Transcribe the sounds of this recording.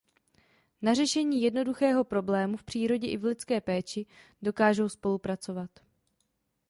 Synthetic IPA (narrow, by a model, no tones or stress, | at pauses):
nar̝ɛʃɛɲiːjɛdno̞duxɛːɦo̞pɾo̞blɛːmufpr̝̥iːɾo̞ɟɛʔɪvlɪt͡skɛːpɛːt͡ʃɪdo̞kaːʒo̞wspo̞lupɾat͡so̞vat̪